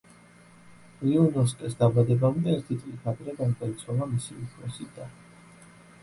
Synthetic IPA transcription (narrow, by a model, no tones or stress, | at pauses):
iɔnɔs̬kʼɛsd̪abad̪ɛbamd̪ɛːɾt̪ʰit̪sʼlʼit̪ʰad̪ɾɛɡad̪ait̪sʰwalˠamisiukʰɾɛsid̪a